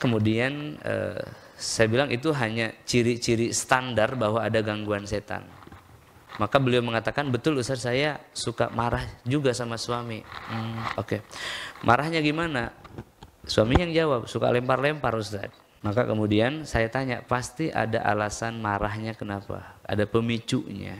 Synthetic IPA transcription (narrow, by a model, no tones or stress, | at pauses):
kəmudianə̰ | sajabilaŋit̪uɦaɲat͡ʃiɾit͡ʃiɾisə̥t̪andarbahɦwaːdaɡaŋɡuanset̪a̰n | makabəliawməŋat̪akanbət̪ʊlusat̪sajasuka̰maɾahd͡ʒuɡasamasuamim̩okemʔaɾahɲaɡimana | suamiɲajaŋd͡ʒawap̚suka̰lɛmparlɛmpaɾusa̰t̪̚ | maka̰kəmudiansajat̪aɲa̰ʔpast̪iʔa̰da̰ʔa̰lasanmaɾahɲakənapa̰a̰dapəmit͡ʃuʔɲa̰